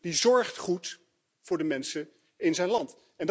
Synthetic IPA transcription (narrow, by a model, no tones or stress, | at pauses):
d̥izɔɹχtχut | fʊːɹdəmɛnsə | ɪnzɛjnlɑnt | ɛnd